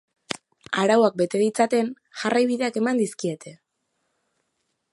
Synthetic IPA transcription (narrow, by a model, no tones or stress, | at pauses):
aɾawak̚be̞t̪e̞ðit͡sat̪e̞n | ʝarʔajβ̞iðe̞ake̞mand̪iskie̞t̪ʰe̞